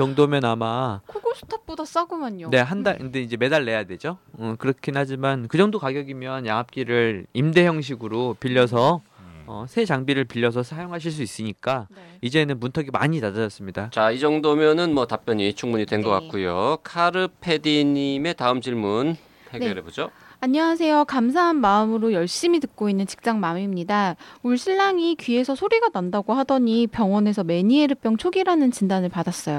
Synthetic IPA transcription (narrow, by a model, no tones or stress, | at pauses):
t͡ɕʌŋdomjʌnamakʰoɡosʰu̥tʰap̚p͈odas͈aɡomjaɲone̞ɦandakndeid͡ʑe̞me̞daɭːe̞jadwe̞d͡ʑoʌkɯɾʌkʰinɦad͡ʑimankɯd͡ʑʌŋdokaɡjʌɡimjʌnjaŋɦap̚k͈iɾɯɭimde̞çjʌŋɕ̬ʰiɡɯɾopiʎːʌs̬ʰʌ | ʌsʰe̞d͡ʑaŋbiɾɯɭpiʎːʌs̬ʰʌsʰajoŋɦaɕ̬ʰiɭs̬͈uis͈ɯɲik͈aid͡ʑe̞nɯnmuntʰʌɡima̰ɲinad͡ʑad͡ʑʌs͈ɯmɲidat͡ɕaid͡ʑʌŋdomjʌnɯnmwʌtap͈jʌɲit͡ɕʰuŋmuɲidwe̞nɡʌk͈a̰kk͈ujokʰaɾɯpʰe̞diɲime̞taɯmd͡ʑiɭmun | eɡneʌɾebod͡ʑoaɲʌas̬ʰe̞jokamsʰaɦanmaɯmɯɾojʌɭɕ͈imitɯk̚k͈oinːɯnt͡ɕi̥k̚t͡ɕ͈aŋmamimɲidauɭɕʰiɭːaŋikɥie̞sʰʌsʰoɾiɡanandaɡohadʌɲipjʌŋwʌne̞sʰʌme̞ɲieɾɯp͈jʌŋt͡ɕʰoɡiɾanɯnt͡ɕindanɯɭpadas͈ʌjo